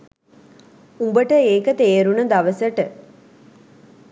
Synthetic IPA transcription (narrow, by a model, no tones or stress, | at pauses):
umbəʈəeːkət̪eːɾunəd̪aʋəsəʈə